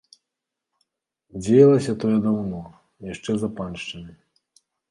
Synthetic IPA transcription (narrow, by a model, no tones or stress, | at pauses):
d͡zʲejɐlˠɐsʲɐt̪ɔjɛd̪awnɔ | jaʂt͡ʂɛzɐpanʂt͡ʂɐmʲi